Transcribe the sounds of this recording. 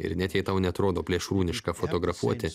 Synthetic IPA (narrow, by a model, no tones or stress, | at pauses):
ɪ̰ɾnʲɛt̪ʲjɛɪt̪ɐʊnʲɛɐt̪ɾoːd̪oːpʲlʲiɛʃɾuːnʲɪʃkɐfoːt̪oːɡɾɐfuɔt̪ʲɪ